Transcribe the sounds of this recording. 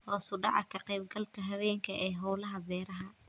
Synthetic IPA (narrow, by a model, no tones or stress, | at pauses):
hɔːsʊɖɑ̰ʕɑkʰɐqɛjb̚ɡɐlkʰɐɦɐβɛːŋkʰɐʔɛːɦɔwlɐɦɐbɛːɾɐɦɐ